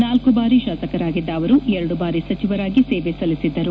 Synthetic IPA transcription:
naːlkubaːɾiʃaːsɐkɐɾaːɡid̪ːɐːʋɐɾuɛɾɐɽubaːɾisɐt͡ʃiʋɐɾaːɡiseːʋesɐlisid̪ːɐɾu

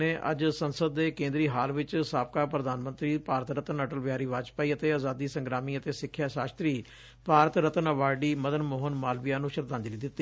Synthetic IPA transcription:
eːʔə̰d͡ʒsənsəd̪ːeːkẽːnd̪ɾiːɦaːlʋɪt͡ʃsaːp̚kaːpɾəd̪aːnmənt̪ɾiːpaːɾət̪ɾət̪ənəʈəlʋɪaːɾiːʋaːt͡ʃpaːiːət̪eːaːzaːd̪iːsə̃ŋɡɾaːmiːət̪eːsɪkʰːjaːʃaːst̪ɾiː | paːɾət̪ɾət̪ənəʋaːɖiːməd̪ənmoːɦənmaːlʋijaːnũːʃəɾd̪ãːnd͡ʒ̪ɾiːd̪ɪt̪ːiː

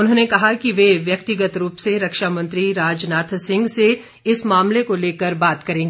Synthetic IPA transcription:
ʊnɦõːnekɐɦakiʋeʋjɐk̚t̪ɪɡət̪ɾuːpseɾɐkʃamɐ̃nt̪ɾiɾaːd͡ʒnaːt̪ʰsɪ̃ŋɡse | ɪsmaːmlekoleːkəɾbaːt̪kɐɾẽːɡeeː

